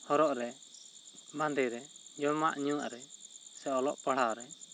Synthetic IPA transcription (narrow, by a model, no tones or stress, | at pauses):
hɔɾɔʔɾɛ | band̪ɛɾɛd͡ʒɔma̰ʔɲũa̰ʔɾɛsɛɔlɔʔpaɽ̤aɾɛ